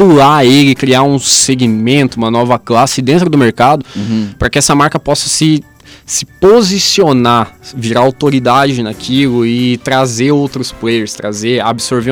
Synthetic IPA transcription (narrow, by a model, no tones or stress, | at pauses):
pulaelɪkɾiaũseɡimẽnt̪ʊũmɐnɔvɐklasɪd̪ẽnt̪ɾʊd̪ʊmeɾkad̪ʊpɾɐkɪɛsɐmaɾkɐpɔsɐsɪ | sɪpozisionaviɾaawt̪oɾid̪ad͡ʒɪnakʰilʊɪt̪ɾazeowt̪ɾʊsplejeɾst̪ɾazeabɪsoɾve